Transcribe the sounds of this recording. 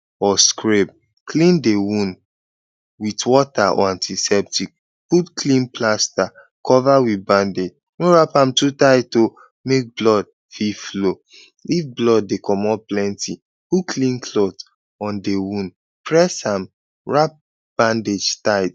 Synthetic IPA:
ɔskʰɹep̚ | kʰlĩndewũn | witwɔtaʔɔ̰ãntʰisɛp̚tʰik̚ | putklĩnplasta | kʰɔvawitbãnded͡ʒ | noɹapãmtutaɪto | mek̚blɔd̚ | fiflo | ifblɔd̚ːekʰɔmɔplɛ̃nti | pukʰlĩnkʰlɔt | ɔ̃ndewũn | pɹɛsãm | ɹap̚ | b̥ãnded͡ʒtaɪt

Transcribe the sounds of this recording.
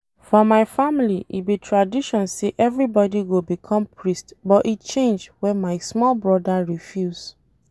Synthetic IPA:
fɔmaɪfamiliʔḭbitʰɹadiʃɔ̃nseʔɛvɹibɔdiɡobikʰɔ̃mpʰɹistbɔtit͡ʃẽnd͡ʒwɛ̃nmaɪsmɔlbɹɔdaɹifjuz

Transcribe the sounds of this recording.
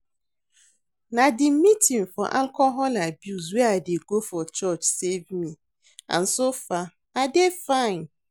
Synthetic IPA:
nadɪmitiŋfɔ̰ʔalkɔɦɔlabjus̬wɛadeɡofɔt͡ʃɔt͡ʃsevmi | ã̰n̩sofa | adefãɪn

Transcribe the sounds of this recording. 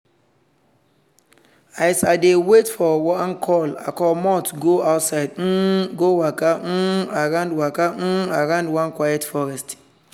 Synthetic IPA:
ajsadewetfɔwãnkʰɔla̰kɔmɔtɡoaʊtsaɪd̩ɡowakaaɹãʊ̃ndwakaaɹãndwãnkwajɛtfɔɹɛst

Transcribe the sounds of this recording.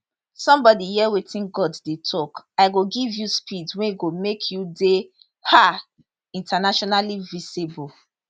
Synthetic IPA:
sɔ̃mbɔdijɛwetĩnɡɔddetʰɔkaɪɡoɡivjuspidwɛ̃niɡomekʰjude | ha | ĩntanaʃɔnalivisibɔl

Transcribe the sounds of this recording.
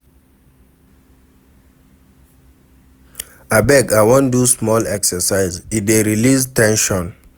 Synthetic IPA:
abɛkawɔ̃ndusmɔlɛksəsaɪzideɹiliztɛ̃nʃɔ̃n

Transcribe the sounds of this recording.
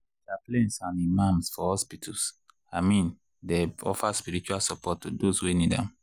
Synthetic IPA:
daplẽnsãnimãmsfɔhɔspitʰus | amĩn | deɔ̰faspiɹit͡ʃualsɔpʰɔtːudoswenidɛ̰̃m

